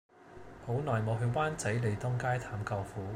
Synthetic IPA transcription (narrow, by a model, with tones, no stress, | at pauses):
po˨˥wnɔː˨˩jmo˨˧wɦɵ˧ɥwaː˥nt͡sɐ˨˥jle˨jt̪ʊ˥ŋkaː˥jt̪ʰaː˨˥mkɔː˧wfuː˨˥